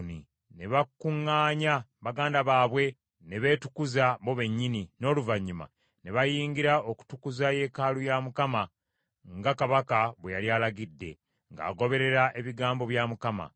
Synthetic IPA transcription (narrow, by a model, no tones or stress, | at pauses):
ni | ne̞βakuŋːaːɲaβaɡaːndaβaːβwe̞ | ne̞βe̞ːtu̥kuzaβo̞βe̞ɲːinino̞ːluvaɲːuma̰ | ne̞βajiːŋɡiɾaoku̥tukuzaje̞ːkaːlujamukama | ŋɡakaβakaβwejaljaːlaɡidːe̞̰ | ŋɡa̰ːɡo̞βe̞ɾe̞ɾaʔe̞βiɡaːmbo̞βjamukama̰